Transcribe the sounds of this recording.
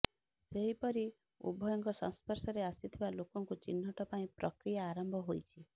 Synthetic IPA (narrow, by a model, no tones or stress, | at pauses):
seɦipɔɾi | ṵbʱɔjɔŋkɔsɔ̰̃ŋspɔɾsɔɾeasit̪ʰibalokɔŋkut͡ʃḭnːɔʈɔpaĩpɾɔkɾijaːɾɔmbʱɔɦojt͡ʃʰi